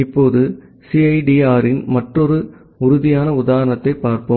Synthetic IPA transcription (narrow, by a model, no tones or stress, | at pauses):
ɪpːoːðɯ | siɐɪɖiaːɾɪnmɐʈrɔɾɯ | ʊɾʊðɪjaːnɐʊðaːɾɐnɐt̪ːɐɪpːaːɾpɯm